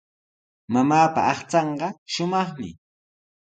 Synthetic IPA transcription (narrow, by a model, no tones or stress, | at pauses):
mamaːpa̰ɑχt͡sɑɴɢɑʃʊmɑχmɪ̰